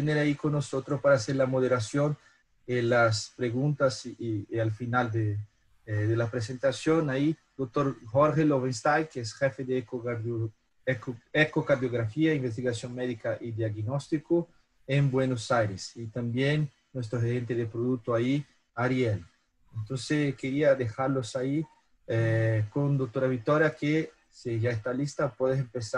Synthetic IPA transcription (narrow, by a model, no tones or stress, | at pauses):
t̪eneɾaikonːosot̪ɾospaɾaːseɾlamoðeɾasjon | elaspɾeɣunt̪asalfinald̪e | ðelapɾes̬ent̪asjonaid̪ok̚t̪oɾxoɾxeloβenst̪ajkeesxefeðe | ekokaɾðjoɣ̞ɾafiaimbes̬t̪iɣasjonmeðikaʔid̪jaɣnost̪iko | embwenosajɾesit̪ambjenː | wes̬t̪ɾoxeɾent̪eðepɾoðuk̚t̪oai | aɾjel | ent̪onsekeɾiaðexaɾlosai | kond̪ok̚t̪oɾaβit̪oɾjake | seʒaest̪alist̪apweðesempesa